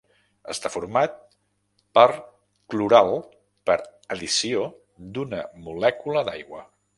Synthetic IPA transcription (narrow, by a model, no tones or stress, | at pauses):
ə̰st̪afuɾmat̪̚ | pəɾ | kluɾalˠ | pəɾəðisio | d̪unəmulɛkuləd̪ajɣwə